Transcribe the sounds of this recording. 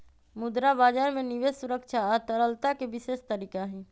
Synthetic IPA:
mʊd̪ɾabaːd͡ʒaːɾmẽniʋeːsuɾəkʃaət̪əɾəlt̪akeʋɪʃeːʃt̪əɾiːkaɦɛ

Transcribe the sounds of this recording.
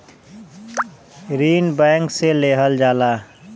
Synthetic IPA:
ɾiːnbɛ̃ːŋkseleːɦəld͡ʒaːlaː

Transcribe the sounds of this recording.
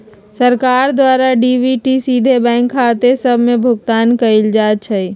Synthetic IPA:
səɾkaːɾd̪waːɾaɖiːʋiʈisiːd̪ʱebɛ̃ːŋkʰːat̪esəbʱmẽbʱʊɡt̪aːnkəɪld͡ʒaːt̪̚t͡ʃʰəi

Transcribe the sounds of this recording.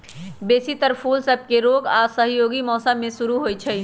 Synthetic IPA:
beːsit̪əɾpʰulsəb̚keɾoːɡasəɦjoːɡimɔːsəmːẽsuɾuɦojt͡ʃʰɛ

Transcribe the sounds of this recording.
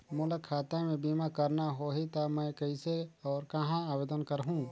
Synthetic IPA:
mʊləkʰaːt̪amẽbiːmakɐɾnaɦoɦit̪amɛ̃kɐiseɔːɾkɐɦãaːʋeːd̪ənkɐɾɦũ

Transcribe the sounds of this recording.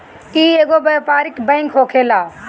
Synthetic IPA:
kieɡobɐpaːɾɪkbɛ̃ːŋkɦoːkʰeːlaː

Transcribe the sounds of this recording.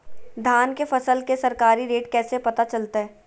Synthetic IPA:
d̪ʱaːnkefɐsəlkesɐɾkaːɾiɾeːʈkɛːsepɐt̪at͡ʃɐlt̪aɦɛː

